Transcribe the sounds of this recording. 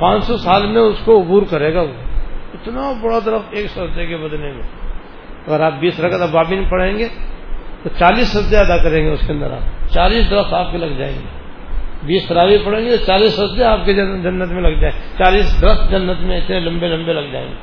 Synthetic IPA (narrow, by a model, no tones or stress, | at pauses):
pãːt͡ʃsɔsaːlmẽʊskoʊbuːɾkɐɾeːɡaʋoːɪt̪nabɐɽat̪ɐɾəfeːksɔɐzd̪eɡebɐd̪nemḛ̃ | ɐɡəɾaːp̚biːsɾɐkət̪ɐbaːbɪnpɐɽẽːŋɡet̪ot͡ʃaːliːsɦɐzd̪eɐd̪akɐɾẽːŋɡeʊskeə̃nd̪əɾʔa̰ːt͡ʃaːliːsd̪ɾət̪aːp̚kelɐɡd͡ʒa̰ːḛ̃ːŋɡḛː | biːst̪ɐɾaːʋipɐɽẽːŋɡet̪ot͡ʃaːliːsɦɐsd̪eaːpked͡ʒɐnːət̪mẽlɐɡd͡ʒaːẽt͡ʃaːliːsd̪ɾət̪d͡ʒɐnːət̪mẽɪt̪nelɐ̃mbelɐ̃mbelɐɡd͡ʒa̰ːḛ̃ːŋɡe